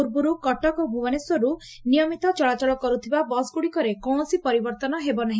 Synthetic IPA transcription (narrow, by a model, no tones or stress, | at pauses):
uɾbuɾukɔʈɔkobʱuaneswɔɾu | nijɔmit̪ɔt͡ʃɔɭat͡ʃaɭɔkɔɾut̪ʰibabɔsɡuɽikɔɾekɔ̃sipɔɾibɔɾt̪ɔnɔɦebɔnaɦĩ